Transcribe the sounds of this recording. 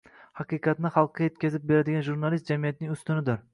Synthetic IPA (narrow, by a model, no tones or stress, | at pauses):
hɑqɨjqɑt̪nɪχɑlˠqʰːɑje̞t̪kʲazɪp̚beɾad̪ɪɡʲanʒuɾnalˠist̪d͡ʒamijat̪̚nɪŋʊst̪ɪnɪd̪ɪɾ